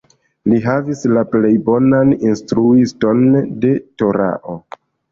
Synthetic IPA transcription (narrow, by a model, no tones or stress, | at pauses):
liɦavislaple̞jbo̞naninstɾuisto̞nde̞to̞ɾa̰ʔo̞